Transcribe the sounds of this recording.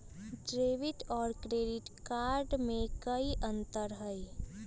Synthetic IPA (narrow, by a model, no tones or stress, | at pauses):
ɖɾeːʋɪʈɔːɾkɾeːɖɪʈkaːɾɖmẽkəiʔə̃nt̪əɾɦəi